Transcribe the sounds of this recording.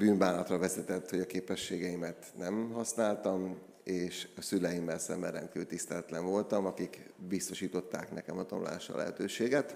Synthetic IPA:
byːnbaːnɒt̪rɒvɛzɛt̪ɛt̪ːho̞ɟɒkeːpɛʃːeːɡɛimɛt̪nɛmɦɒsnaːlt̪ɒm | eːʃɒsylɛjimːɛlsɛ̰mːɛɾɛŋkylt̪ist̪ɛlɛt̪lɛɱvo̞lt̪ɒmɒkikbist̪o̞ʃiːt̪o̞t̪ːaːknɛkɛmɒd̪omla̰ːʃɒ̰lʔɛ̰ɦɛ̰t̪øːʃeːɡɛt̪

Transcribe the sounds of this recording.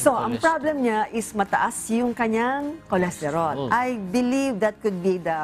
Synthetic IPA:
soʔɐŋpɹablɛmɲaʔɪsmɐt̪ɐʔasjʊŋkɐɲaŋkolɛst̪ɛɾolʔɐjbɪlivd̪ɐt̪̚kʊd̪̚bid̪ɐ

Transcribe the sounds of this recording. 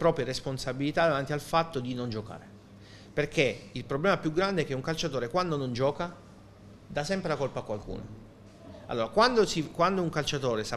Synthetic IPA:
pɾɔːpɾjeɾesponsabilit̪ad̪avant̪ialfat̪ːod̪inond͡ʒoka̰ːɾe | perkʰeilpɾoblɛːmapjuɡɾand̪eɛk̟ːeuŋkalt͡ʃat̪oːɾekwand̪onond͡ʒɔːka | d̪asɛmpɾelakolpakːwalkṵːno | a̰lːoːɾakwand̪osikwand̪ouŋkalt͡ʃat̪oːɾesa

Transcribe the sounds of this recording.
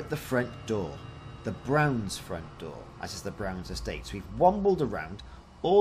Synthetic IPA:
ʔ̪̚ðəfɹʌ̃nd̥ɔ̰ːðəbɹãʊ̃nz̥fɹʌ̰̃nd̥ɔ̰ːɹʔə̰zɨzðəbɹãʊ̃nzɨsteɪtswivwʌ̃mbl̩ˠdəɹã̰ʊ̃nd | ɔ

